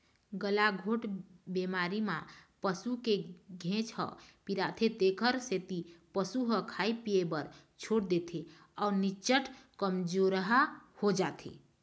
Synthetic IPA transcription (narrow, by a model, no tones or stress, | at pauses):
ɡəlaɡʱoʈbemaɾimapəsukeɡʱẽt͡ʃhə̰piɾat̪ʰet̪ekʰəɾset̪ipəsuɦəkʰaipiebəɾ | t͡ʃʰoɽd̪et̪ʰe | auɾnit͡ʃəʈkəmd͡ʒoɾəɦəhod͡ʒat̪ʰḛ